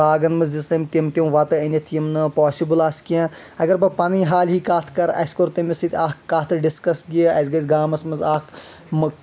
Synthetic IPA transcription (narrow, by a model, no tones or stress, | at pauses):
aːɡɐnmɐzd͡ʒist̪ɐmʲt̪imt̪iw̃ʋɐt̪ɨɐnʲɐt̪ʰimnɨpoːsibɨlaːsʲkiã | ɐɡɐɾbɐpɐniːɦaːlʲɦiːkaːt̪ʰkɐɾɐ̰sʲkoɾt̪ɐmisit̪ʲaːkkːaːt̪ʰɨɖiskɐsɡiəʔɐsʲɡɐsʲɡaːmɐsmɐzaːk | mɨ